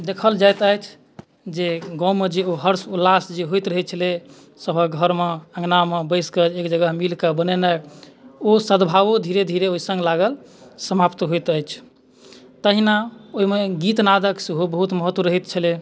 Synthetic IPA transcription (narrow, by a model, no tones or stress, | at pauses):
d̪ekʰəld͡ʒajt̪əjt͡ʃʰ | d͡ʒeɡɔ̃ũmed͡ʒeoɦəɾsulːasd͡ʒeɦojt̪ɾəɦɛt͡ʃʰəle | səbʱəɡʱəɾmeə̃ŋɡnamebəɪskeekd͡ʒəɡəɦmilkebənɛnajosəd̪bʱaʋod̪ʱiɾed̪ʱiɾeoisə̃ŋɡlaɡəl | səmapt̪ɦojt̪əjt͡ʃʰ | t̪əɦinaoɦimeɡit̪nad̪əksɦobəɦut̪məɦət̪ːwəɾəɦit̪t͡ʃʰəle